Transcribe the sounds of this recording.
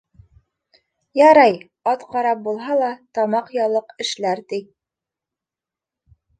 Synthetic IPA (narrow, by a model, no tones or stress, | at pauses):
jɑɾɑj | ɑt̪qɑɾɑp̚bulˠɦɑlˠɑt̪ɑmɑqjɑlˠɤqɘ̆ʃlæɾt̪i